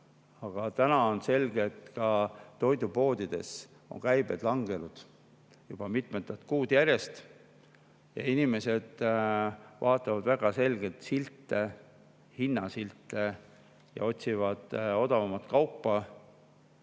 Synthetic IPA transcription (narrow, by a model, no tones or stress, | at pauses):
ɑɡ̥ɑt̪ænɑo̞nse̞lɡ̥et̪ːkɑt̪ːo̞jd̪upo̞ːd̪̥id̪̥e̞̰s | o̞̰ŋkæjb̥e̞̰d̪̥lɑŋɡe̞nud̪̥ | jub̥ɑmit̪ˑmet̪ːˑɑt̪̚kuːd̪jæɾje̞st̪ | jɑ̰inime̞se̞d̪̥ | vɑːt̪ːˑɑvɑd̪væɡ̥ɑse̞lɡ̥e̞t̪silt̪ːˑe | hinːɑsilt̪ːˑe | jɑ̰o̞t̪ʲsivɑd̪̥o̞d̪ɑvɑmɑt̪kɑwpːɑ